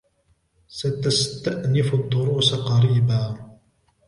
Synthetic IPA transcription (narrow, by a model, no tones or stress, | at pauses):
sat̪ast̪aʔnɪfʊd̪ˤːʊɾuːsaqɑɾiːbaː